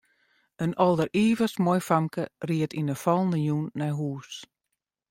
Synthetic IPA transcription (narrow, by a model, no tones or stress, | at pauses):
ənɔlˠdəriːvəsmɔjfamkəriətinəfɔlˠndəjunːɛjɦuːs